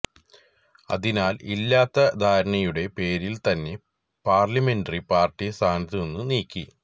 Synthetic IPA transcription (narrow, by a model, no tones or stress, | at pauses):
ɐ̰ðinaːlilːaːt̪ːɐd̪ʱaːɾɐɳɐjuɽe̞pe̞ːɾilt̪ɐnːe̞ | paːrlɐme̞ndɐripaːrʈːist̪ʰaːniðienːuniːkʲːi